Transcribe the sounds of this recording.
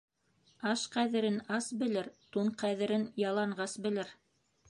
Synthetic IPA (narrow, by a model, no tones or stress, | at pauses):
ɑʃqæðɘ̆ɾɘnɑsbɘ̆lɘɾt̪uɴqæðɘ̆ɾɘnjɑlˠɑɴɢʁɑsbɘ̆lɘɾ